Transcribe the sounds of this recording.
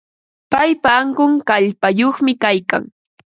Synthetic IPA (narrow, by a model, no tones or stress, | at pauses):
pajpaːŋkʊŋkaʎpajoχmɪkajka̰ŋ